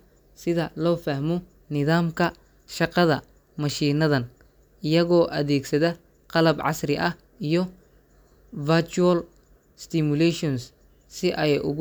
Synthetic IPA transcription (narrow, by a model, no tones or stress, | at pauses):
sɪðɐlɔːfɐhmɔ | nɪðaːmkʰɐ | ʃɑqɑðɐ | mɐʃiːnɐðɐn | ɪjɐɣɔːʔɐðɛːɡsɐðɐ | qɑlɐbʕɑ̰srɪʔɐh | ijɔ | vɐt͡ʃuɐl | st̪ɪmʊlɛʃɔns | sɪʔɛjʔʊ̰ɣ